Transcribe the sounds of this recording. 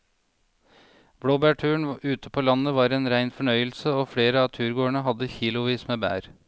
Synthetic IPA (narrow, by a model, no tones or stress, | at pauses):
b̥ɽoːbæːʈʰʉːəɳ̩ʉːt̪ʰəpʰoːlɑnəʋɑːɾeːnɾæɪnfɔɳœʏəlsəoːfɽeːɾəɑːt̪ʰʉːɾɡoːəɳəɦɑd̪əçiːlʊʋiːsmeːbæ̰ːɾ